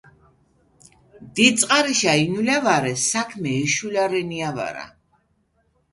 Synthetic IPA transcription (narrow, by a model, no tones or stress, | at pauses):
d̪it̪sʼqʼaɾiʃainulavaɾɛsakʰmɛːʃulaɾɛniava̰ɾa̰